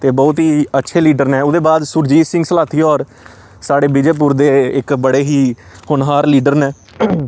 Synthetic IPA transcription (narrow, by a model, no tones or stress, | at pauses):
t̪eːbɔːt̪ɦiːətːʃʰeːliːɖəɾnɛːʊd̪eːbaːd̪sʊɾd͡ʒiːsɪ̃ŋɡsəlaːt̪ʰiːɔːɾ | saːɽeːbɪd͡ʒeːp̬ʊɾd̪eːɪkbəɽeːɦiː | hʊnɦaːɾliːɖəɾnɛː